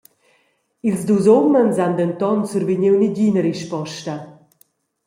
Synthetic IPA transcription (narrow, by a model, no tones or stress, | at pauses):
ilzduzɔmənzand̪ɛnt̪ɔnsuɾviɲiwniɟinəɾiʃpɔʃtɐ